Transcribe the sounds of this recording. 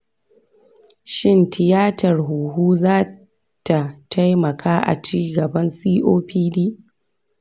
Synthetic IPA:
ʃɪ˦ntʰɪ˨jaː˦tʰɐ˨rɦuː˨ɦuː˦zaː˦ | tʰa˨tʰa˦jmɐ˨kʰaː˦ʔa̰˨t͡ʃiː˦ɡɐ˨bɐ˦nsiː˦ʔoː˦ɸiː˦diː˦

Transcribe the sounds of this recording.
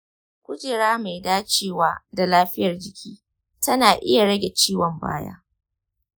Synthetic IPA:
kʷʊ˦d͡ʒeː˨ɾaː˦ma˨jdaː˦t͡ʃeː˦waː˦da˨laː˦ɸɪ˦jɐ˨rd͡ʒɪ˨kʲiː˦ | tɐ˦naː˨ʔɪ̰˦ja˨ɽɐ˦ɡʲe˨t͡ʃiː˦wɔ˨mba̰ː˦ja̰ː˦

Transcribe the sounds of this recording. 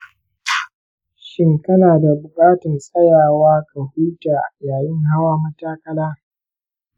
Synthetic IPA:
ʃɪ˦ŋkɐ˦naː˨da˨bʊ˨kʼaː˦tɪ˨nsʼɐ˦jaː˨waː˦kɐ˨huː˦ta˨jaː˨jɪ˦ŋɦa˦waː˦mɐ˦taː˦kɐ˦laː˦

